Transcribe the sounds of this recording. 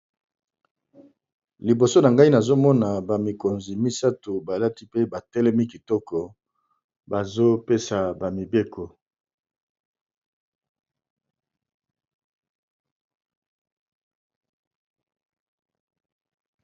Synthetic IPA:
li˨bo˨so˦na˨ŋɡa˦i˦na˨zo˦mɔ˦na˨ba˨mi˨ko˨nzi˨mi˦sa˦tu˨ba˨la˦ti˦pe˦ba˨tɛ˦lɛ˦mi˦ki˨tɔ˦kɔ˨ | ba˨zo˦pe˦sa˨ba˨mi˨be˦kɔ˨

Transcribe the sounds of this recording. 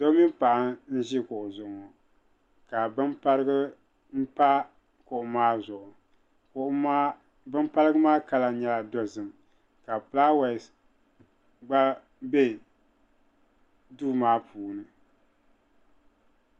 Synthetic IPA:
do˦mi˦m˦pa˨ʔa˦n̩˦ʒɪ˦kʊ˨ʔʊ˨zʊ˨ŋɔ˨ | ka˨bɨ˦ma˦ɾɨ˦ɡɨ˦ | m̩˦pa˦ | kʊ˨ʔʊ˦maː˦zʊ˨ʔʊ˨ | kː | bɨ˦mpa˦lɨ˦ɡɨ˦maː˦ka˦la˨˦ɲɛ˨la˨dɔ˦zɨ˨m | ka˨pla˦wa˨ | ɡ͡ba˦ | be˦ | duː˦maː˦pʰuː˨nɨ˨

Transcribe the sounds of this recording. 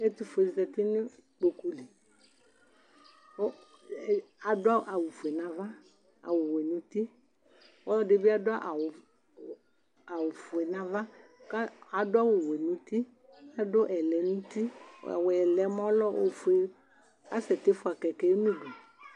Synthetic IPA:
e˦t̪u˦fʊ˨e˨zɛ˨t̪ɪ˦nʊ̃˦k͡po˨ku˦li˨ | ɔ˦˨ | a˨dʊ˦a˦ʔa˨wʊ˨fu˨ɛ˨nã˨va˦ | a̰˨wʊ˨we˨nũ˦t̪i˦ | ɔ˦lɔ˦dɪ˦bɪ˦a˦dʊ˦a˦ʔa˨wʊ˨ | a˨wʊ˨fʊ˨ɛ˨nã˨va˦ | ka˦a˨dʊ˦a˦wʊ˨we˨nũ˨˦t̪i˦ | a˨dʊ˦ʔɛ˨lɛ˨nũ˦t̪ḭ˦˨wɛ˨lɛ˨mɔ̃˦lɔ˦ʔo˨fʊ˨e˨ | a˦sɛ˨t̪ɪ˦fʊ˦a˨kɛ˨kɛ˨˦nũ˦ɖo˨

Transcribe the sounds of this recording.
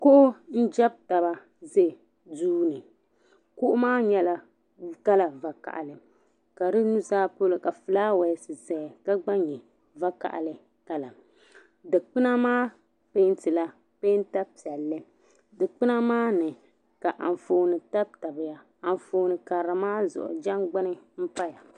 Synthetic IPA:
kʊ˦ʔʊ˦n̩˦d͡ʒa˦b̚ta˨ba˨ | ze˦˨ | duː˦nɨ˨ | kʊ˦ʔʊ˦maː˦ɲɛ˦la˨ | ka˦la˨va˨ka̰˨ʔa̰˨lɨ˨ | ka˨dɨ˦nu˦zaː˦po˦lɨ˨ka˨fɨ˨laː˦wa˨˦˨sɨ˨zɛ˨ka˦ɡ͡ba˦ɲɛ˨ | va˦ka̰˨ʔa̰˨lɨ˨ | ka˦la˨ | dɨ˨k͡pɨ˦na˦maː˦ | pe˦ntɨ˨la˦ | pe˦n˦ta˦pi˨ɛ˨lːɨ˦ | dɨ˨k͡pɨ˦na˦maː˦nɨ˨ | ka˨ʔa̰˨n˨foː˨nɨ˨ta˦b̚ta˨bɪ˨ja˦ | a˨n˨foː˨˦nɨ˨ka˨ɾa˨maː˦zʊ̰˨ʔʊ̰˨d͡ʒa˦ŋɡ͡ba˦nɨ˦m̩˦pa˦ja˨

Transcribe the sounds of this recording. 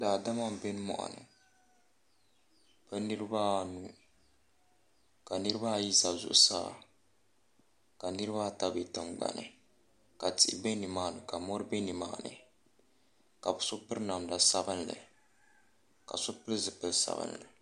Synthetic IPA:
laː˨da˦ma˦m˨be˦nɨ˦mɔ̰˨ʔa̰˨nɨ̰˨ | pɨ˦nɨ˦ɾɨ˦baː˦nu˦ | ka˨nɨ˦ɾɨ˦baː˦˨ji˦za˨zʊ̰˨ʔʊ˦sa̰ː˦˨ | ka˨nɨ˦ɾɨ˦βa˦˨ta˦be˨tɨ˨mɡ͡ba̰˨nɨ̰˨ | ka˨ti˨ʔbɛ˦nɨ˨maː˦nɨ˨ka˨mɔ˦ɾɨ˦bɛ˦nɨ˨ma̰ː˨˦˨nɨ̰˨ | ka˨bɨ˨sʊ˦pɨ˦ɾna˨mda˨sa˦bɨ˦nlɨ̰˨ | ka̰˨sʊ˦pɨ˦lzɨ˨pɨ˦lsa̰˨bɨ̰˦nlɨ˨

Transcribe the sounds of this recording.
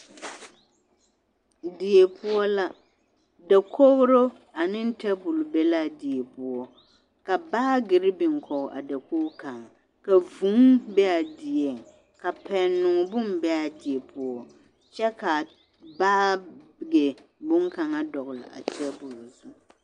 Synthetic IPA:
di˨e˨pʰʊ˦ɔ˦la˦ | da˨kʰo˦bɾo˦ | a˨nɪ˦n˦tɛ˦bʊ˨lbe˦la˦di˨ɛ˨pu˦ɔ˦ | ka˨baː˦ɡɪ˨ɾɪ˦bɪ˨ŋkʰɔ˨ʔa̰˨da˨ko˦ka˨ŋa˨ | ka˨vu˨˦ŋbɛ˦a˨dɪ˨ɛ˨ŋ | ka˨pɛ˨nʊ˨bʊ˦m˦bɛ˦a˨dɪ˨ɛ˨pʰu˦ɔ˦ | t͡ʃɛ˦ka˨ | baː˦bɪ˨ɡe˨bʊ˦ŋka˨ŋa˦dɔ˨ɣʊ˨lɪ̰˨a̰˨tʰɛ˦bu˨lzu˦

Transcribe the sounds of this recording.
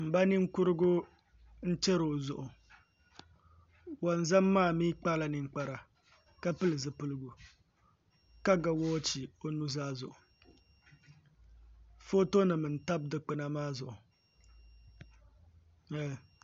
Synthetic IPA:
m̩˨ba˦ni˦ŋ˦kʊ˦ɾɨ˦ɡʊ˦ | n̩˦t͡ʃɛ˦ɾo˨zʊ̰˨ʔʊ˨ | wa˨n˦za˦mːaː˦˨miː˦k͡pa˦la˨nɨ˨ŋ͡m̩˦k͡pa˨ɾa˨ | ka˦pɨ˦lɨ˨zɨ˨pɨ˦lɨ˦ɡu˨ | ka˦ɡa˨wɔː˦t͡ʃi˨o˦nu˦zaː˦zʊ̰˨ʔʊ˨ | fo˦to˦nɨ˨mɨ˨n̩˨ta˦b̚dɨ˨˦k͡pɨ˦na˦maː˦zʊ˨ʔʊ˨

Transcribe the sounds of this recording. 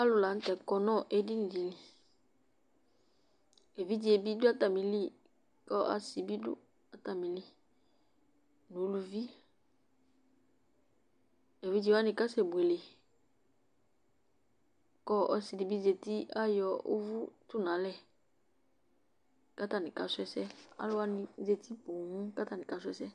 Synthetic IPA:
a˦lu˨la˨˦n̩˦tɛ˨kɔ˨nɔ˦ʔe˦di˦ni˨di˨li˨ | e˨vi˦di˨e˨bi˦du˦a˦ta˨mi˨li˦ | kɔ˦ʔa̰˦si˨bi˦dṵ˦ | a˦ta˨mi˨li˦ | nu˨˦lu˨vi˦ | e˨vi˦d͡ʒi˧˦wa˦nĩ˧ka˦sɛ˨bwe˨le˨ | kɔ˦ɔ˦si˧˨di˨bi˦ze˨ti˦a˦jɔ˨ṵ˦vu˦tu˦˨nã˨˦lɛ˦˨ | ka˦ta˨nĩ˨ka˨sʊ˦ɛ˦sɛ˦a̰˦lʊ˦a˦nĩ˦ze˧ti˦po˨ŋũ˦ka˦ta˦˨nĩ˨ka˨˦sʊ˦ɛ˦sɛ˦

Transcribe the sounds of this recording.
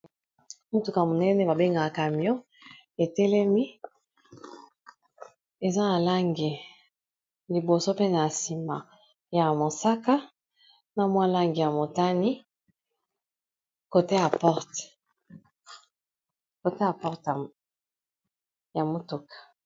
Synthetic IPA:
mo˦tu˨ka˨mo˨nɛ˦nɛ˨˦ba˨be˦ŋɡa˨ka˨mjɔ̃˦ | e˨tɛ˦lɛ˦mi˦ | e˨za˦na˨la˦ŋɡi˨ | li˨bo˨so˦pe˦n˨a˨si˨ma˨ | ja˨mo˨sa˦ka˦ | na˨mwa˦la˦ŋɡi˨ja˨mo˨ta˦ni˦ | ko˨te˦ja˨pɔ˦ʁt | ko˨te˦ja˨pɔ˦ʁt | ja˨mo˦tu˨kḁ˨

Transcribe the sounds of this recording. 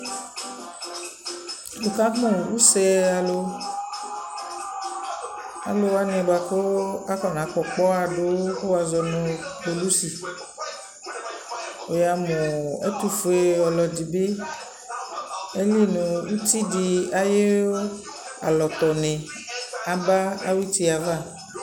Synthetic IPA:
o˨ka˦mɔ̃˨wu˦sɛ˦a˨lo˦ | a̰˨lo˦wa˦nẽ˨ba˨xo˦a˦kɔ˨nã˨˦k͡pɔ˨k͡pɔ˦a˨ɖo˦ko˦wa˨zɔ˨nõ˨k͡po˨lu˦si˨ | o˨ja˨mõ˨e˦t̪u˦fo˨˦e˨ɔ˨lɔ˨di˨be˦ | e˦li˦nõ˨wu˦t̪i˦di˨a˨je˦wo˦ | a̰˨lɔ˨t̪ɔ˨nɛ̃˨ | a˨ba˦a̰˦wi˦t̪i˦a˨va˦˨

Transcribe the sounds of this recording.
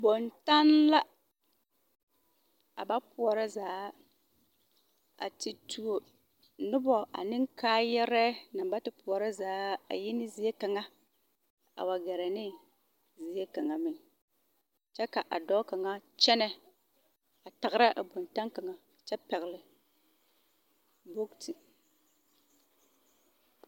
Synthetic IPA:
bo˨nta˦nla˦ | a̰˨ba˦pʊ˨ɔ˨ɾa˦zaː˨˦ | a̰˨ti˨tʰu˨o˨ | nʊ˦bɔ˨ʔa̰˨nɪ˦ŋkaː˦jɛ˦ɾɛ˦na˨mba˦tɪ˨pʊ˨ɔ˨ɾa˦zaː˨˦a̰˨jɪ˦nɪ˦zi˨e˦ka˨ŋa˦ | a̰˨wa˨ɡɛ˨ɾa˨nɪ˦ | zi˨e˦ka˨ŋa˨mɪ˨ŋ | t͡ʃɛ˦ka˨ʔa̰˨dɔ˦ka˨ŋa˦t͡ʃɛ˦nɛ˨ | a˨ta˨ɣɾa˦ʔa˨bo˨nta˦ŋka˨ŋa˨t͡ʃɛ˦pɛ˨ɣlɪ˨ | bo˦ktʰi˨

